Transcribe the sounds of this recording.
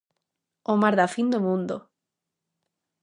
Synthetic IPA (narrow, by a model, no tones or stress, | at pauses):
omaɾðafind̪omũnd̪o